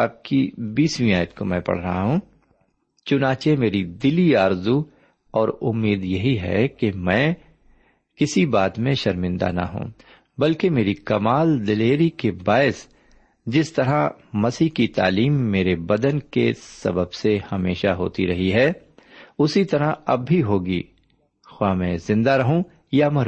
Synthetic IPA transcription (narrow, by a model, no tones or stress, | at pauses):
aːp̚kibiːswĩaːjət̪komɛ̃pɐ̰ɽ̤ɾɐɦaɦũː | t͡ʃʊnaːt͡ʃemeːɾid̪ɪliaːɾzu | ɔːɾʊmːeːd̪jɐɦiɦɛ̰kemɛ̃ː | kɪsibaːt̪mẽʃɐɾmɪ̃nd̪a̰na̰ɦṵ̃ː | bɐlkemeːɾikɐmaːld̪ɪleːɾikebaːɪs | d͡ʒɪst̪ɐɾa | mɐsiːɦkit̪a̰ːliːmːeːɾebɐd̪ənkesɐ̰bəbsehɐmeːʃaɦo̰ːt̪ḭɾɐɦiɦɛː | ʊsit̪ɐɾaɐbʱːiɦoːɡḭː | xwaːmɛ̃zɪ̃nd̪aɾɐɦũ | jamɐɾ